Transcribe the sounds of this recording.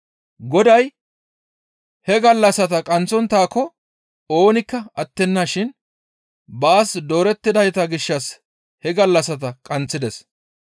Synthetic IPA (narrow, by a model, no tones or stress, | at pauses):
ɡɔd̪ɐj | hɛɡɐlːɐsɐt̪ɐkʼɐnt͡sːɔnt̪aːkːɔ | o̞ːnɪkːɐɐt̪ːɛnːaʃɪn | baːsd̪o̞ːɾɛt̪ːɪd̪ɐjt̪ɐɡɪʃːɐs | hɛɡɐlːɐsɐt̪ɐkʼɐnt͡sːɪd̪ɛs